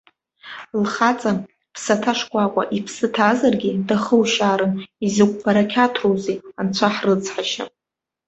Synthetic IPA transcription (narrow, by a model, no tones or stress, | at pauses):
lχat͡sʼa | pʰsatʰaʂkʷʼakʷʼa̰ʔipʰsɨtʰaːzarɡʲɪdaχəwʃaːɾɨnizɨkʷʼbaɾakʲʰatʰrowzejant͡ɕʷʰaħrɨt͡sʰʼħaʃa̰